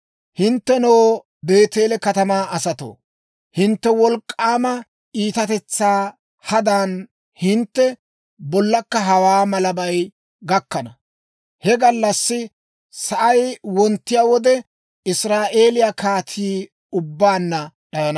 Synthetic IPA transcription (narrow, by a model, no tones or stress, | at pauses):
hɪnt̪ːɛnoː | be̞ːt̪eːlɛkɐt̪ɐmaːɐsɐt̪o̰ː | hɪnt̪ːɛwɔlkʼːaːmɐ | ʔiːt̪ɐt̪ɛt͡sːaː | hɐd̪aːn | hɪnt̪ːɛ | bɔlːɐkːɐɦɐwaːmɐlɐbɐj | ɡɐkːɐnɐ | hɛɡɐlːɐsːɪ | sɐʔɐjwɔnt̪ːɪjaːwɔd̪ɛ | ɪsɾaːʔe̞ːlɪjakaːt̪ʰiː | ʊbːaːnːɐ | ɗɐjɐnɐ